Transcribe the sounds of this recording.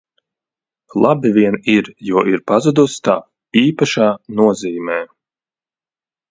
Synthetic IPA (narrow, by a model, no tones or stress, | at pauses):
lˠabivʲiɛniɾjuɔʔiɾpazud̪ust̪a | iːpaʃaːnuɔziːmʲɛː